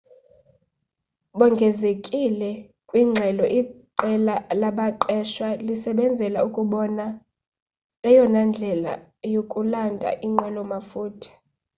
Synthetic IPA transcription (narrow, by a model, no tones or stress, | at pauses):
ɓɔŋɡʱɛzekʼilɛ | kʼwiŋ͡ǁʱɛlɔʔiǃɛlalaɓaǃɛʃwalisɛɓɛnd͡zʱɛlaukʼuɓɔna | lɛjɔnand͡ɮʱɛla̰ | jokʼulandʱa̰ʔiŋ͡ǃɛlɔmafuːtʰḁ